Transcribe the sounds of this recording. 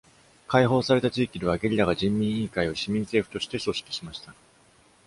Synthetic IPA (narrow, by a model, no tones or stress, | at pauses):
kaiɦo̞ːsaɾe̞t̪at͡ɕiːkʲid̪e̞βaɡe̞ɾʲiɾaɡaʑĩmːʲĩɰ̃ĩːkaio̞ɕimʲĩnse̞ːɸɯ̟t̪o̞ɕi̥t̪e̞so̞ɕi̥kʲi̥ɕimaɕi̥t̪a